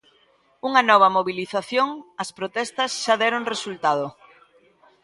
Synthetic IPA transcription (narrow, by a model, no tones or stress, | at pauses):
uŋɐnɔβ̞ɐmoβiliθaθjoŋɐspɾot̪ɛst̪ɐsʃaðɛɾoŋresult̪að̞o